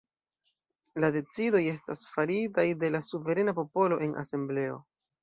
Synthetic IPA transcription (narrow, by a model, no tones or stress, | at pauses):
lade̞t͡sido̞je̞stasfaɾitajde̞lasuve̞ɾe̞napo̞po̞lo̞ʔe̞nʔa̰se̞mble̞o̞̰